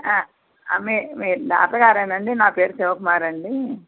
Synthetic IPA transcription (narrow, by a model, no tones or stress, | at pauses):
aː | ɐ̰memiːɾla̰ːpɾɐɡaːɾɐnɐɳɖinaːpeːɾusɛʋɐkumaːɾɐɳɖi